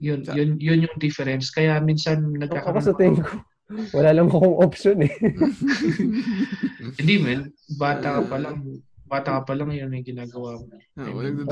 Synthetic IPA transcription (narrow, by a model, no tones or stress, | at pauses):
jʊnjʊnjʊnjʊŋd̪ɪfɛɾɛnskɐjaminsɐnnɐɡ̚aːkokɐsɐt̪ɪŋko | wɐlaːlɐŋɐkoŋʔopʃonɛ | hɪnd̪imɐn | baːt̪ɐkɐpɐlɐŋbaːt̪ɐkɐpɐlaŋjonɐjɡɪnaːɡɐwamoɛ̰m